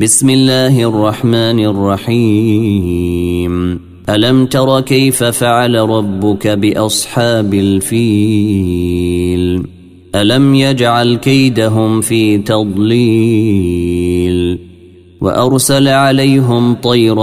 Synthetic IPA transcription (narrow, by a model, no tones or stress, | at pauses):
bɪsmɪlːaːhɪʔɑrˤːɑħmaːnɑrˤːɑħiː | m | ʔalamt̪ɑɾˤɑkajfafaʕalaɾˤɑbːʊkabɪʔɑsˤħɑːbalfiː | l | ʔalamjad͡ʒʕalkajd̪aɦʊmfiːt̪ɑd̪ˤli | l | wa̰ʔɑɾˤsalʕalajɦʊmt̪ˤɑjɾˤ